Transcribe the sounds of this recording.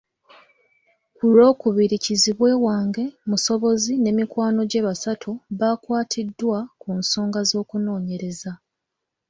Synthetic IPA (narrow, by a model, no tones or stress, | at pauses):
kulo̞ːkuβiɾiciziβwe̞ːwaːŋɡe̞muso̞βo̞zine̞ːmikwaːno̞ɟe̞βasatʰuβakwaːtʰidːwakunso̞ːŋɡazo̞ːkuno̞ːɲe̞ɾe̞za